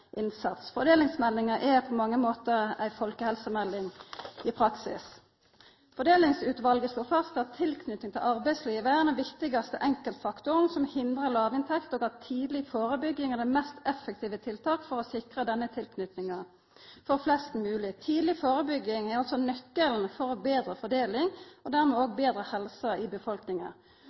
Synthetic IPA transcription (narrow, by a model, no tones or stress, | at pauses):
ʔɪnsɑt̪sfɔd̪eːlɪŋsmɛlːɪŋəʔɛpʰɔmɑŋːəmoːt̪əʁæ̰ɪfɔlkəhɛlsəmɛlːɪŋɪpʰɾɑksɪ̰s | fɔd̪eːlɪŋsʉːt̪ʋɑlɡəsloːfɑst̪ɑt̪ʰːɪlkʰnʏt̪nɪŋt̪ʰɪlʔɑʁbæɪsliːʋəænəʋɪkt̪ɪɡɑst̪əʔɛŋkəlt̪fɑkt̪ʊʁnsɔmhɪnd̪ʁəlɑːʋɪnt̪ʰɛkt̪oːɡɑːt̪ʰiːd̪lɪfoːɾəbʏɡːɪŋɛd̪ɛmɛst̪ɛfːək̚t̪ʰiːʋət̪ʰɪlt̪ʰɑːkfɔʁɔsɪkʁəd̪ɛnːət̪ʰɪlkʰnʏt̪nɪŋɑ | fɔʁflɛst̪mʉːlɪt̪ʰiːd̪lɪfoːʁəbʏɡɪŋæʁɑlsɔnœkːəln̩fɔʁobeːd̪ʁəfɔd̪eːlɪŋɔd̪æʁmɛoːɡbeːd̪ɾəhɛlsɑɪbəfɔlknɪŋɑ̰